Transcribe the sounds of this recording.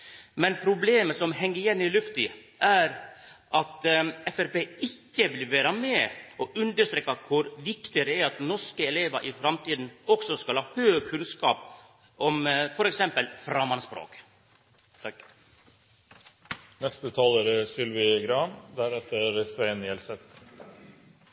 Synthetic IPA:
mɛnpʰɾʊbleːməsɔmhɛŋːəɾɪjɛnːɪlʉft̪ɪʔæɾʔɑt̪ɛfæɾpeːɪkːəʋɪlʋæːɾɑmɛɔʔʉnd̪əʂt̪ɾeːkːɑkʰʊɾʋɪkt̪ɪd̪ɛæɾɑt̪nɔʂkəɛleːʋəʔɪfɾɑmt̪iːd̪n̩ɔksɔskɑlhɑːhøːkʰʉnskɑːp | ɔmfɔɾɛksɛmpəlfɾɑmːɑnspɾo̰ːk̪ | nɛst̪ət̪ʰɑːloːɾəsʏlʋɪɡɾɑːnd̪æɾɛt̪ʰːəɾsʋæɪnjɛlsɛt̪

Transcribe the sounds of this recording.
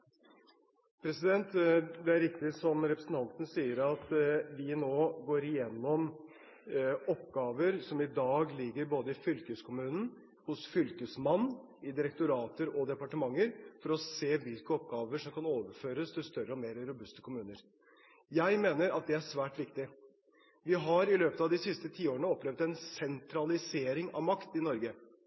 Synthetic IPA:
pʰɾɛsɪd̪ɛnt̪d̪ɛæɾʋɪkt̪ɪsɔmɾɛpɾəsn̩t̪ʰɑnt̪ənəsiːəɾɑt̪ʋɪnoːɡoːɾɪjɛnːɔm | ɔpɡɑːʋəɾsɔmɪd̪ɑːɡlɪɡːəɾboːd̪əɪfʏlkəskʰʊmʉːnn̩ | hʊsfʏlkəsmɑnː | ɪd̪ɪɾɛk̚t̪ʊɾɑːt̪əɾɔd̪ɛpɑʈəmɑŋːəɾfɔɾɔseːʋɪlkəɔp̚ɡɑːʋəʂɔmkɑnoːʋəɾføːɾəst̪ʰɪlst̪œɾəɔmeːɾɾʊbʉst̪ə̥kʰʊmʉːnəɾ | jæɪmeːnəɾɑt̪̚d̪ɛæʂʋæːʈʋɪkt̪ɪ | ʋɪɦɑɾɪløːpət̪ɑʋd̪ɪsɪst̪ət̪ʰiːoːɾəɳəɔplɛːʋt̪ɛnsɛnt̪ʰɾɑlɪseːɾɪŋʔɑ̰ʋmɑkt̪ɪnɔɾɡə

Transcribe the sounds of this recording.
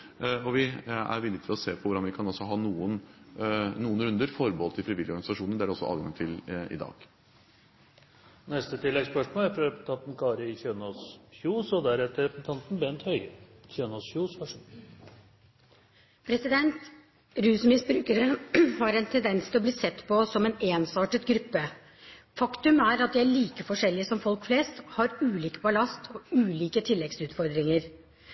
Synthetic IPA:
ɔʋɪæ̰ɾʋɪlːɪt̪ʰɪlɔseːpʰɔʋʊɾɖɑnʋɪkʰɑnɔsːɔɦɑːnuːən | nuːənɾʉnd̪əɾfɔɾbɔːlt̪ʰɪlfɾɪʋɪlɪɔɾɡɑnɪsɑʂuːnəɖ̪ɛæɾɔsːɔ̰ʔɑ̰ːʋɡɑ̰ŋət̪ʰɪlɪ̰d̪ɑ̰ːɡ̥ | nɛst̪ət̪ʰɪlːɛɡspœʂmolæfɾɑɾɛpʊ̥t̪ʰɑt̪nkʰɑːɾəɪçøːnɑsçuːsɔd̪æɾɛt̪ːəɾɛpn̩t̪ʰɑnt̪n̩bɛnt̪hœʏəçøːnɑsfuːsʋæʂɔ | pʰɾɛsɪd̪ɛnt̪ | ɾʉsmɪsbɾʉːkəɾəhɑɾɛnt̪ʰɛnd̪ɛnst̪ʰɪlɔbliːsɛt̪ːpʰɔsɔmɛneːnsɑːʈət̪ɡɾʉpːə | fɑkt̪ʉmæɾɑt̪̚d̪ɪæɭiːkəfɔʂɛlːɪəsɔmfɔlkfleːst̪hɑɾʉːliːkəbɑlɑst̪ʰɔʉːliːkət̪ʰɪlːɛɡsʉːt̪fɔɾd̪ɾɪŋəɾ

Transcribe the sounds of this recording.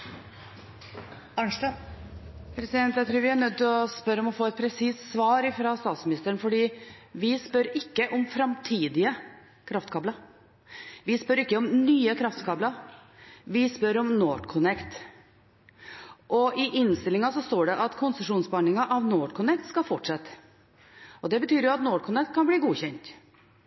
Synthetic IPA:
ɑɳʂʈɑ | pʰɾɛsɪd̪ɛnt̪jæɪt̪ʰɾʉːɾʋɪæɳœd̪̚t̪ɪlɔspœɾːəɔmɔfoːɛt̪̚pʰɾɛsiːssʋɑːɾɪfɾɑst̪ɑːt̪smɪnɪst̪əɾənfɔɖiːʋɪspœɾɪkːəʔɔmfɾɑmt̪ʰiːd̪ɪə | kʰɾɑft̪kʰɑblɑ | ʋɪspœɾɪkːəɔmnyːəkʰɾɑft̪kʰɑblɑɾ | ʋɪspœɾɔmnoːʈkʰʊnɛkt̪ | ʔɔʔɪʔɪnst̪ɪlɪŋɑsɔst̪oːɖɛʔɑt̪kʰʊnsəʂuːnsbɑnd̪ɪŋɑʔɑʋnoːʈkʰʊnɛk̚t̪skɑlfɔʈʂɛt̪ː | ɔd̪ɛbət̪ʰyːɾjʊɑt̪noːʈkʰʊnɛkt̪kʰɑnbliːɡuːçɛnt̪

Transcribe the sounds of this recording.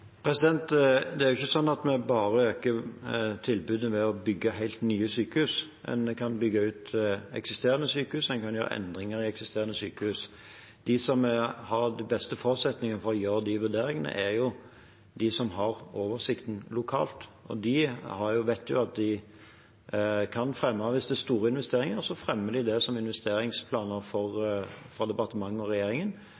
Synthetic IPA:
pʰɾɛsɪd̪ɛnt̪d̪ɛæɾjʊɪçːəsɔnːɑt̪mɛbɑːɾəøːkəɾt̪ʰɪlbʉːd̪əʋɛɔbʏɡːəɦæɪlt̪nyːəsyːkəhʉs | ʔɛ̰nɛkʰɑnbʏɡəʉːt̪ɛ̰ksɪst̪eːʁənəsyːkəhʉːsɛnkɑnjøːɾə̰ʔɛ̰nd̪ɾɪŋəɾɪɛksɪst̪eːʁənəsyːkəhʉːs | d̪ɪsɔmhɑʁd̪ɛbɛst̪əfɔːɾʉt̪sɛt̪nɪŋənfɔɾɔjøːɾəd̪ɪʋʉd̪eːɾɪŋənə̰ʔæɾjʊ | d̪ɪsɔmɦɑɾoːʋəsɪkt̪n̩lʊkʰɑ̰ːlt̪ɔ̰d̪ɪhɑɾjʊʋet̪ʰːjʊ̰ɑt̪̚d̪ɪ | kʰɑnfɾɛmːɑʋɪsd̪ɛst̪uːɾəɪnʋɛst̪eːɾɪŋəʁsɔfɾɛmːəd̪ɪd̪ɛsɔmɪnʋɛst̪eːɾɪŋspʰlɑːnəɾfɔʁfɔɾd̪ɛpɑʁt̪əmɑŋːəɔʁɛjeːɾɪŋən

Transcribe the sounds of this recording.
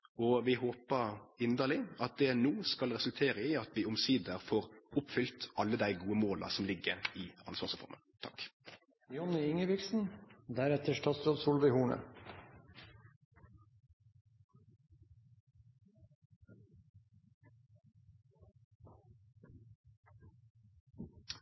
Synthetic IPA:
ɔʋɪhoːpəʁɪnd̪əʁlɪɑt̪̚d̪ɛnuːskɑlʁɛsʉlt̪ʰeːʁəɪɑt̪ʋɪːʊmsiːd̪əʁfoːʁʊpfʏlt̪ɑlːəd̪æɪɡuːəmoːlɑ̰sɔmlɪɡːəɾɪːɑ̰nsʋɑ̰ʁsʁəfɔ̰ʁmʔə̰nt̪ʰɑk | jɔnɪɪŋəʋɪksn̩d̪æɾɛt̪əʂʈʰɑːt̪sɾoːd̪suːlʋəɪhuːɳə̰

